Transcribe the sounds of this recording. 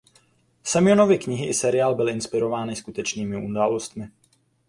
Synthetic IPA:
sɛmɪono̞vɪkɲɪɦɪʔɪsɛɾɪaːlbɪlʔɪnspɪɾo̞vaːnɪskut̪ɛt͡ʃniːmɪʔudaːlo̞st̪mɪ

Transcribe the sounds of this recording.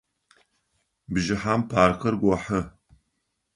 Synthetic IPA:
bʒɪħampʰaːrxɐrɡʷɔħə

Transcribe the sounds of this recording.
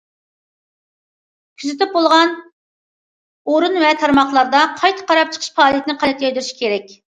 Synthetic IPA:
kʲʰyzɪt̪ɪp̚bolˠʁɑn | oɾunvɛt̪ʰɑɾmɑχlˠɑɾd̪ɑqʰɑjt̪ʰə̥qʰɑɾɑp̚t͡ʃʰə̥qʰəʃfɑːlˠijɛt̪ʰɪnɨqʰɑlɛt̪ʰːøjd̪yɾʃi̥kʲeɾɛk̚ʲ

